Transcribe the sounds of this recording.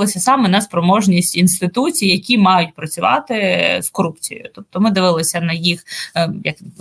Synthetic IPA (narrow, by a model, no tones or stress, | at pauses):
lˠɪsʲɐsɑmɛnɐspɾɔmɔʒnʲisʲtʲinst̪ɪt̪ut͡sʲijjɐkʲimɑjʊtʲpɾɐt͡sʲʊʋɑ̰t̪ɪskɔɾupt͡sʲḭj̰jʊ̰t̪ɔp̚t̪ɔmɪd̪ɪʋɪlˠɪsʲɐnɐjixjɐ̰k